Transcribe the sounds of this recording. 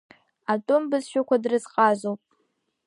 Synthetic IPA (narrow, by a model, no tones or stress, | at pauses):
atʼʊmbɨzʃᶣakʷʰadrɨzqʼazowpʼ